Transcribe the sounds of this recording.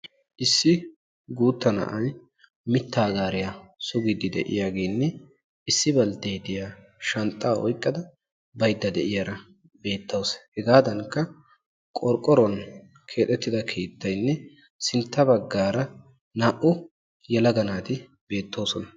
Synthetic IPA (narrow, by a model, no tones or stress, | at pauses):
ʔɪsːɪ | ɡuːt̪ːɐnɐ̰ʔɐn | mɪt̪ːaːɡaːɾɪjasʊɡɪd̪ɪd̪ɛ̰ʔɪ̰jaːɡe̞ːnːɛ | ɪsːɪbɐlt̪ejt̪ɪjaː | ʃɐnt̪ʼːaːʔɔ̰jkʼːɐd̪ɐ | bɐjd̪ːɐd̪ɛʔɪjaɾɐ | be̞ːt̪ːɐwshɛɡaːd̪ɐŋkːɐ | kʼɔɾkʼːɔɾɔn | kʰe̞ːt̪ʼːɛt̪ːɪd̪ɐkʰeːt̪ːɐjnːɛ | sɪnt̪ːɐbɐɡːaːɾɐ | naːʔʊ | jɛlɐɡɐnaːt̪ɪ | be̞ːt̪ːo̞ːsɔnɐ